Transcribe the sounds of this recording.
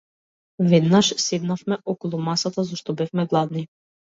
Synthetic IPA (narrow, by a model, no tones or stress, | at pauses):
vɛd̪naʃsɛd̪nafmɛʔɔkɔlˠumasat̪azɔʃt̪ɔbɛfmɛɡlˠad̪ni